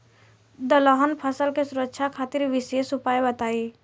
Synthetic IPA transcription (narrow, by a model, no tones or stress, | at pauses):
d̪əlɔɦənpʰəsəlkesʊɾəkːʃʰakʰaːt̪ɪɾʋɪsesʊpaːjbət̪aːi